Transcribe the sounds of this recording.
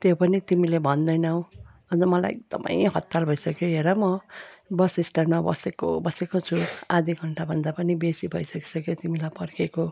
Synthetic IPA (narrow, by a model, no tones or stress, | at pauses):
t̪jopʌnit̪imilebʱʌnd̪ʌjnʌwʌnd͡zʌmʌla̰jḛk̚d̪̥ʌ̰mʔa̰j̃ɦʌt̪ːalbʱʌisʌkjoɦeɾʌmʌbʌsisʈʌrmabʌ̰seko̰bʌsekot͡sʰuad̪ʱiɡʱʌɳʈabʱʌnd̪apʌnibesibʱʌ̰isʌki̥sʌkjot̪imilajpʌrkeko